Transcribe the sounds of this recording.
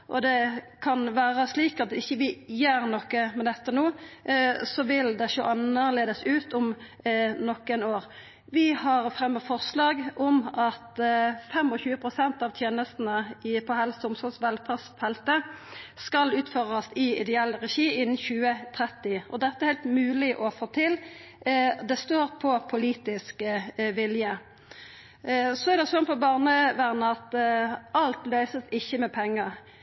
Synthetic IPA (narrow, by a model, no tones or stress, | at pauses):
ʔɔd̪ɛ | kʰɑnʋæːʁəsliːkɑt̪ɪçːəʋɪjøːɾnɔkːəmɛd̪ɛt̪ːənuː | sɔʋɪld̪ɛʃʊʔɑnəʁleːd̪əsʉːt̪ʊm | nɔkːɛnoːʁ | ʋɪhɑʁfʁɛmːəfɔʁslɑːɡʔɔmɑt̪fɛmɔçʉːəpʰʁʊsɛnt̪ɑʋt̪ʰjeːnəst̪n̩əɪpʰɔhɛlsʊmsɔlsʋɛlfæsfɛlt̪əskɑlʉːt̪føʁəsɪɪd̪ɛɛlːʁɛʃiːɪnːn̩çʉːət̪ʰʁɛt̪ɪɔd̪ɛt̪əhɛɪlt̪mʉːlɪʔɔfoːt̪ʰɪl | d̪ɛst̪oːʁpʰɔpʰʊliːt̪ɪskʋɪljə | sɔɛʁd̪ɛsɔnːpɔbɑːʁnəʋæʁnəɑt̪ɑlt̪lœʏsəsɪçːəmɛpʰɛŋːə